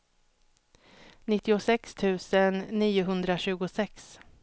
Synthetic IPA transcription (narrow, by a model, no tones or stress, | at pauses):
nɪt̪ːɪʊsɛkst̪ʰʉ̟ːsənːiːʊɦɵnd̪ɾaɕʉ̟ːɡʊsɛks